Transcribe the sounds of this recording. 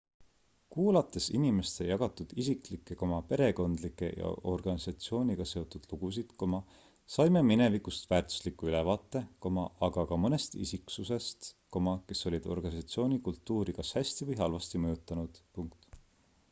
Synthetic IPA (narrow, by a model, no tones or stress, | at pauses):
kuːlɑt̪ːˑe̞sinime̞st̪e̞jɑɡ̥ɑt̪ːˑud̪̥isiklikːˑe̞ko̞mɑpe̞ɾe̞ko̞nd̪̥likːˑe̞̰jɑ̰o̞rɡ̥ɑnisɑt̪sio̞ːnʲiɡ̥ɑse̞o̞t̪ːˑud̪̥luɡ̥us̬id̪̥ko̞mɑ | sɑjmeminevikust̪væːrt̪ˑu̥slikːuylevɑːt̪ːˑe̞ko̞mɑɑɡ̥ɑkɑmɤne̞st̪ḭsiksuse̞st̪ko̞mɑke̞so̞lʲid̪̥o̞rɡ̥ɑnisɑt̪sio̞ːnʲikult̪ːuːɾikɑshæsʲt̪ivɤjɦɑlvɑst̪imɤjut̪ˑːɑnud̪̥puŋkt̪